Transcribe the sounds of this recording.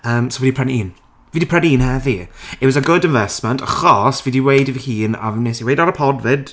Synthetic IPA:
əːmsowvɛdipʰr̥ɛniːn | viːdipʰr̥ɛniiːnhɛðiɛwɔzəɡʊdɪ̃ɱvɛsməntʰəχɔsvidiwejdivihiːna̰vnesiwejdaɾəpʰɔdvɪd̥

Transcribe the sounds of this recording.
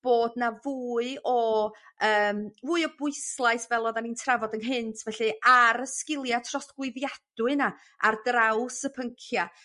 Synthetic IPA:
b̥oːdnavuːɨɔ | əːmvuːɨɔbʊɨslˠaɨsvɛlˠɔðanintʰravɔdənɦɪntʰvɛɬɨaɾəskɪlˠjatʰrɔstɡ̥wɪðjad̥ʊɨna | ardrawsəpʰəŋkʰja

